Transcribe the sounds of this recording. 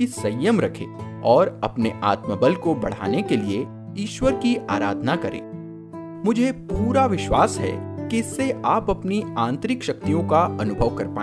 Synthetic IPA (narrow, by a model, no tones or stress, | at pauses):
kisɐjːəmɾɐkʰḛː | ɔːɾɐ̰pneʔa̰ːt̪məbəlkobɐɽ̤a̰ːnekelie | iːʃwəɾkiʔa̰ːɾa̰ːd̪ʱnakɐɾḛ̃ː | mʊd͡ʒʱepuːɾaʋɪʃwaːsɦɛ̰kiɪsːeʔaːpɐpniãːnt̪ɾɪkʃɐk̚t̪ijõkaɐnʊbʱəʋkɐɾpaː